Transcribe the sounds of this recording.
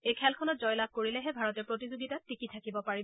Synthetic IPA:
ejkʰɛlkʰɔnɔt̚zɔjlab̚ʱkoɹilɛɦɛbʱaɹɔtɛpɹotizoɡitatʰːikitʰakibɔpaɹi

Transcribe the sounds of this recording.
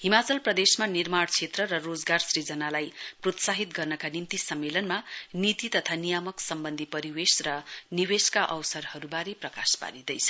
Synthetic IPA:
himat͡sʌlprʌd̪esmanirmaɽt͡sʰet̪rʌɾʌrod͡zɡarsrid͡zʌnalajprot̪saɦit̪ɡʌrnʌkanimt̪isʌmːelʌnmanit̪it̪ʌt̪ʰanijamʌksʌmbʌnd̪ʱipʌɾiwesrʌniweskaʔʌwsʌrhʌɾubaɾeprʌkaspa̰ɾid̪ʌjt͡sʰʌ̥

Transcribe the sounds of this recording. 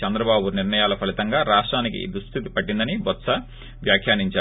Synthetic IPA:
ɐnd̪ɾɐbaːbuniɾnɐjaːlɐpʰɐlit̪ɐŋɡaːɾaːʂʈɾaːnikḭd̪ɾust̪ʰit̪ipɐʈːind̪ɐnibɐt̪sɐ | ʋjaːkʰjaːniɲt͡ʃaː

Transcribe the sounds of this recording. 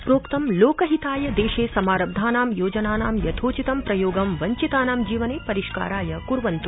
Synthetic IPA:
pɾoːkt̪ɐmloːkɐɦit̪aːjɐd̪eːʃeːsɐmaːɾɐb̚d̪ʱaːnaːmjoːd͡ʒɐnaːnaːmjɐt̪ʰoːt͡ʃit̪ɐmpɾɐjoːɡɐmʋɐɲt͡ʃit̪aːnaːmd͡ʒiːʋɐneːpɐɾiʃka̰ːɾaːjɐkuɾʋɐnt̪u

